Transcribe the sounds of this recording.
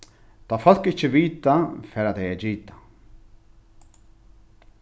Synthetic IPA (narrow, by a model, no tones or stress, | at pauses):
t̪afal̥kɪçəʋiːt̪afɛːɾat̪ɛjɛd͡ʒiːt̪ḁ